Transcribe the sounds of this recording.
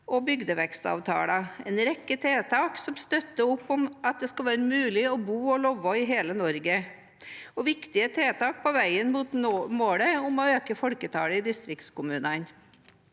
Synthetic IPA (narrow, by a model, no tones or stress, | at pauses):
ɔbʏɡd̪əʋɛkst̪ɑ̰ːʋt̪ʰɑ̰ːlɑɛnɾɛkːət̪ʰeːt̪ʰɑːksɔmst̪œt̪ːəʊpːɔmɑt̪̚d̪ɛskɑlʋæːɾəmʉːlɪɔbuːɔlɔʋːɔɪɦeːlənɔɾɡə | ɔʋɪkt̪ɪət̪ʰeːt̪ʰɑːk̚pʰɔʋæɪənmuːt̪ːmoːɽəʊmɔøːkəfɔɽkət̪ʰɑ̰ːɽəɪd̪ɪst̪ɾɪkt̪skʊmʉːnɑn